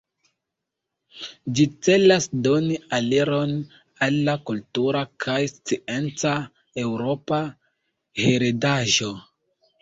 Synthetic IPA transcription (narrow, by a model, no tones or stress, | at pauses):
d͡ʒit͡se̞lasdo̞nialeɾo̞n | alːakultuɾakʰajst͡sient͡sa | e̞wɾo̞pa | heɾedaʒo̞